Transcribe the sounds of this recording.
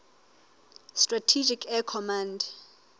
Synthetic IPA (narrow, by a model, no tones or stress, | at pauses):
stʼratʰid͡ʒikʰɛkʰɔmãnd